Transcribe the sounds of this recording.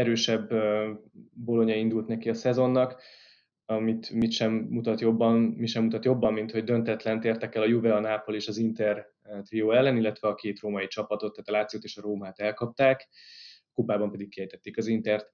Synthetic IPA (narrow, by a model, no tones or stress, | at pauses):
ɛɾøːʃɛbø | bo̞lo̞ɲɒind̪ult̪nɛkiɒsɛzo̞nːɒk | ɒmit̪mit̪ʃɛmːut̪ɒt̪jo̞bːɒnmiʃɛmːut̪ɒt̪jo̞bːɒmːint̪ho̞ɟd̪ø̞nt̪ɛt̪lɛnt̪eːrt̪ɛkɛlɒjuvɛɒnaːpo̞leːʃɒzint̪ɛr | t̪rioːɛlːɛnilːɛt̪ʋɛɒkeːt̪roːmɒjit͡ʃɒpɒt̪o̞t̪ːaːt̪ɒlaːt̪sijoːt̪eːʃɒɾoːmaːt̪ɛlkɒp̚t̪aːk | kubaːbɒmpɛd̪ikːihɛjt̪ɛt̪ːeːkɒzint̪ɛrt̪